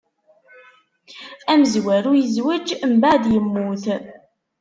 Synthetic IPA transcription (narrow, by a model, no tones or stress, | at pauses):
æməzwæɾujəzwəd͡ʒmbaʕd̪jəmːuθ